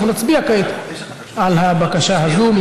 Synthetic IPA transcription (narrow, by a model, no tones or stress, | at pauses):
unat͡sbiakat̪ | alhabakaʃaɦazum